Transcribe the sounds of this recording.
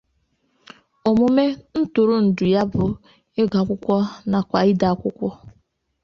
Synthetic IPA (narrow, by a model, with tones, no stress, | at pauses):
o˨mʊ˦me˦n̩˦tʊ˨ɾʊ˦n̩˨dʊ˨ja˦bʊ˨ | e˦ɡa˨kʷʊ˦kʷɔ˦na˨kʷa˨i˦da˨˦kʷʊ˦kʷɔ˦